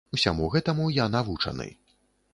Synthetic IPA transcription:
usʲa̰muɣɛt̪ɐmujanavut͡ʂɐ̰nɨ̰

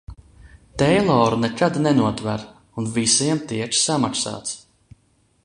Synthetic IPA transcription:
t̪ɛjlˠɔːɾunɛkad̪nɛnuɔt̪væɾ | unvisiɛmt̪iɛt͡ʃsamaksa̰ːt̪s

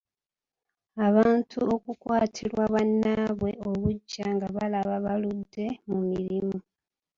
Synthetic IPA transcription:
aβaːntʰuokukwaːtʰiɾwaβanːaːβwe̞ʔo̞βuɟːaŋɡaβalaβaβaludːe̞mumiɾimu

